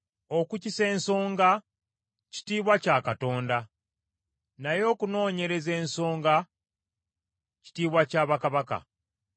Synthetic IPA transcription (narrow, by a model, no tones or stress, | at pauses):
okucise̞ːnso̞ːŋɡa | ci̥tiːβwacaːkato̞ːnda | najo̞ːkuno̞ːɲe̞ɾe̞ze̞ːnso̞ːŋɡa | ci̥tiːβwacaːβakaβaka̰